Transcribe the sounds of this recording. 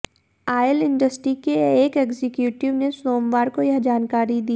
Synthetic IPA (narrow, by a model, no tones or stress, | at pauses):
aːjəlɪ̃ɳɖəsʈɾikeeːkeːɡzɪkjuːʈɪʋnesoːmʋaːɾkojɐɦd͡ʒaːnkaːɾid̪iː